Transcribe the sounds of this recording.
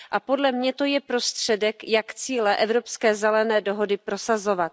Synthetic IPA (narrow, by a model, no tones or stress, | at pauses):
ʔapo̞dlɛmɲɛt̪o̞jɛpɾo̞st̪r̝̥ɛdɛkjakt͡siːlɛʔɛvɾo̞pskɛːzɛlɛnɛːdo̞ɦo̞dɪpɾo̞sazo̞vat̪